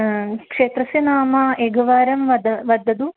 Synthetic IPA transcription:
kʂeːt̪ɾɐsinaːmaʔeːɡʱɐʋaːɾɐmʋɐd̪ʋɐd̪ʱːɐd̪u

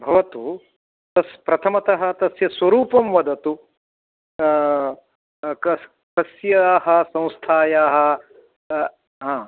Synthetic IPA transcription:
bʱɐʋɐt̪u | t̪ɐspɾɐt̪ʰɐmɐt̪ɐɦɐ̆t̪ɐsjɐsʋɐɾuːpɐmʋɐd̪ɐt̪u | k | kɐsjɐaːɦɐ̆sɐ̃w̃st̪ʰaːjaːɦɐ̆ | ɦãː

